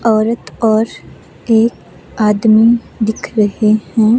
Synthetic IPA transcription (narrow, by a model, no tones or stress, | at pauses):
ɔːɾət̪ɔːɾ | eːk | aːd̪mi | d̪ɪkʰɾɐɦehɛ̃ː